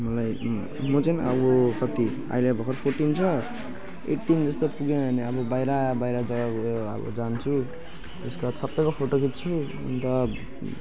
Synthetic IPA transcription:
mʌlaj | mʌt͡sʌnʌbokʌt̪i | a̰jlebʱʌkʰʌrpʰorʈint͡sʰʌ | ḛʈːind͡zʌst̪opuɡẽʌneʌbʌbajɾabajɾad͡zʌɡaʌ̰bʌ̰d͡zant͡sʰu | ḛskasʰʌpːʌkopʰoʈokit̪̚t͡sʰṵ | nt̪ʌ

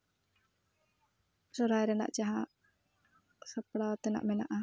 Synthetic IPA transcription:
sɔɾajɾɛna̰ʔd͡ʒaɦã | səpɽat̪ɛna̰ʔmɛna̰ʔa

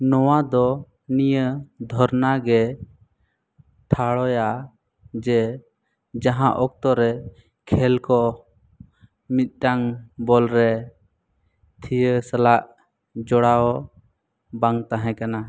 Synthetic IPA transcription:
nɔwad̪ɔ | nijəd̪ʱɔɾnaɡɛ | ʈʰaɽɔja | d͡ʒɛ | d͡ʒaɦãʔɔk̚t̪ɔɾɛ | kʰɛlkɔ | mit̪̚ˀʈaŋbɔlɾɛ | t̪ʰijəsəlaʔ | d͡ʒɔɽaɔ | baŋt̪ãɦɛ̃kana

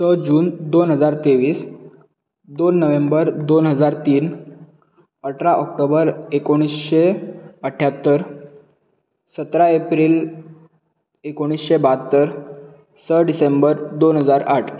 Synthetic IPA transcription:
səd͡ʑuːnd̪onɦəd͡zaɾt̪eʋiːs | d̪onːəʋembəɾd̪onɦəd͡zaɾt̪iːn | əʈʰɾaʔɔk̚ʈobəɾekoɽ̃isɕeəʈʰjat̪ːəɾ | sət̪ɾaepɾiːl | ekoɽ̃isɕebat̪ːəɾ | səɖisembəɾd̪onɦəd͡zaɾaʈʰ

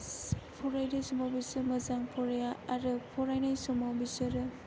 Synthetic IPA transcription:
pʰɔɾajnajsɔmawbisɯmɐzaŋpʰɔɾajaaɾɯpʰɔɾajnajsɔmawbisɯɾ

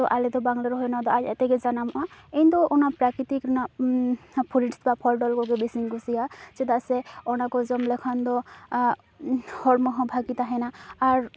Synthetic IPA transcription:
d̪ɔʔalɛd̪ɔbaŋlaɾɔɦɔjnad̪ɔaɛt̪ɛɡɛd͡ʒanamɔʔaɛjnd̪ɔɔnapɾakit̪ikɾɔna | pʰuɾiʈst̪ibapʰɔlɖɔlkɔɡɛbisiŋɡɔsijasɛd̪asɛɔnakɔzɔmlɛkʰɔnd̪ɔ | hɔɾmɔɦɔ̃bʱaɡit̪aɦɛnaːɾ

